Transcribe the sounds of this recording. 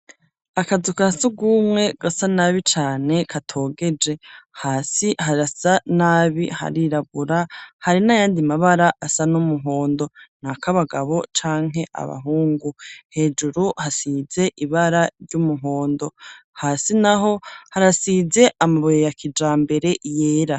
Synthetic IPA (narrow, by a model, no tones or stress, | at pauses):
akazukasuɡumŋe̞ɡ̥asanaːβit͡ʃaːne̞kʰatʰo̞ːɡe̞d͡ʒe̞haːsihaɾasanaːβiha̰ɾiɾaβuɾahaɾinajaːndimaβaɾaʔasanumuɦo̞ːndo̞n̥akaβaɡaβo̞t͡ʃaːŋ̥ɦe̞ʔa̰βa̰ɦuːŋɡuhe̞ːd͡ʒuɾuhasize̞ʔiβaɾaɾɟumuɦo̞ːndo̞haːsinaɦo̞haɾasize̞ʔamaβojojakʰid͡ʒaːmbe̞ɾe̞jeːɾa